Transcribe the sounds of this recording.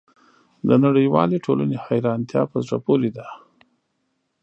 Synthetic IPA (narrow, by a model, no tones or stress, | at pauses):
d̪ənaɽəjwɑ̰leʈʰolənehajɾɑnt̪jɑ̰pəzɽa̰poled̪a